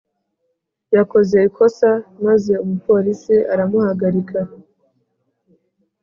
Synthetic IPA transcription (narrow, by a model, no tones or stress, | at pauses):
jako̞ze̞ikʰo̞samaze̞umupo̞ɾisiʔaɾamuhaɡaɾikʰa